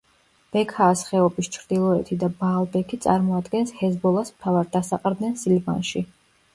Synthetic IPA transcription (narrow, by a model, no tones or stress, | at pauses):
b̥ɛkʰaːsχɛɔbist͡ʃʰɾd̪̥ilˠɔɛt̪ʰid̪abaːlˠbɛkʰit̪sʼa̰ɾmɔad̪ɡɛnshɛzbɔlˠasmt̪ʰavaɾd̪asaqʼɾd̪nɛnsilva̰nʃi